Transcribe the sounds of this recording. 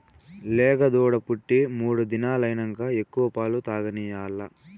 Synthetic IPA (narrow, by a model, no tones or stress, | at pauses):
lɛːɡɐd̪uːɽɐpuʈːimuːɽud̪inaːlɐjnɐŋkae̞kːuʋɐpaːlut̪aːɡɐniːjaːlːɐ